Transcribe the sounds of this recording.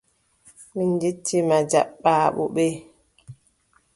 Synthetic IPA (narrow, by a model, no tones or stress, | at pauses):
minditʰːimad͡ʒa̰ɓːaːɓṵɓɛ